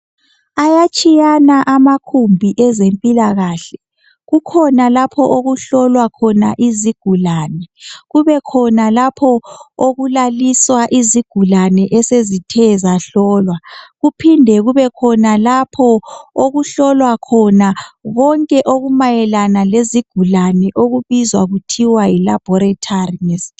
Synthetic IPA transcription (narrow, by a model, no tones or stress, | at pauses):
ajat͡ʃʼijanaʔamakʰumbʱiʔɛzempʼilaɣaːɬɛ | ɣukʰɔnalapʰɔʔoɣuɬɔlwakʰɔnaʔiziɡ̥ʱulaːnɛɣuβɛkʰɔnalapʰɔoɣulaliswaʔiziɡ̥ʱulanɛʔɛsezitʰɛzaɬɔːlwaɣupʰindʱɛɣuβɛkʰɔnalapʰɔoɣuɬɔlwakʰɔnaɣɔŋkʼɛʔoɣumajɛlanaleziɡ̥ʱulanɛʔoɣuβizwaɣutʰiwajilab̥ʱɔɾatʰarinɛs